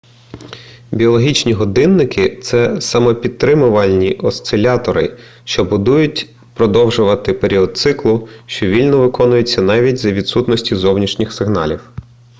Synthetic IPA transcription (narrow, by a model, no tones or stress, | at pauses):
bʲiɔlˠɔɦʲit͡ʃnʲiɦɔd̪ɪnːɪkɪt̪sɛsɐmɔpʲit̪̚t̪ːɾɪmʊʋɐlʲnʲiʔɔst̪sɪlʲɑt̪ɔɾɪ̰ | ʃt͡ʃɔbʊd̪ujʊtʲ | pɾɔd̪ɔwʒʊʋɐt̪ɪpeɾʲiɔd̪̚t̪sɪklˠʊʃt͡ʃɔʋʲilʲnɔʋɪkɔnʊjʊt͡sʲːɐnɑʋʲitʲzɐʋʲid̪sut̪nɔsʲtʲizɔwnʲiʃnʲixsɪɦnɑ̰lʲiw